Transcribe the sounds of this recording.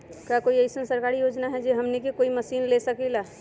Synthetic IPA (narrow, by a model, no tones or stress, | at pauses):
kakoiəɪsənsəɾkaɾijod͡ʒnaɦɛd͡ʒeɦəmnikekoiməsiːnlesəkila